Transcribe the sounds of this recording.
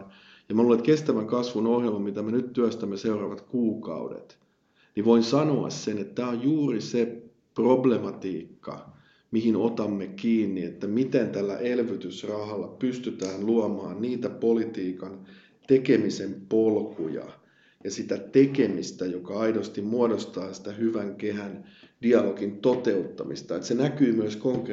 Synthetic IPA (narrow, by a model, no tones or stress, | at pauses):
jɑmæluːlet̪kest̪æʋæŋkɑsʋunohjelmɑmit̪æmenyt̪t̪yæst̪æmːeseurɑʋɑt̪kuːkɑ̰udḛt̪ | niʋoinsɑnoɑ̰ssenet̪t̪æːojjuːrise | problemɑt̪iːkːɑ̰ | mihinot̪ɑmːekiːnːiet̪ːæmit̪ent̪ælːæ̰ʔelʋyt̪ysrɑhɑlːɑpyst̪yt̪æːnluɑmɑ̰ːnniːt̪æpolit̪iːkɑn | t̪ekemisempolkujɑ̰ | jɑsit̪æt̪ekemist̪æjokɑɑidost̪immuodost̪ɑːsi̥t̪æhyʋæŋkehænd̥iɑloɡ̥int̪ot̪eut̪ːɑmḭst̪ɑet̪senækyːmyøskoŋk